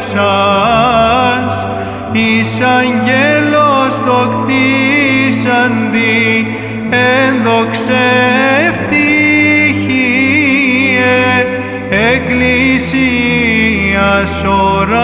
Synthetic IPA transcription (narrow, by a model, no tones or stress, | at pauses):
sɐ | s | isɐɲɟelost̪okt̪i | sɐnd̪i | enðokseft̪i | çi | e | eklisi | ɐsoɾɐ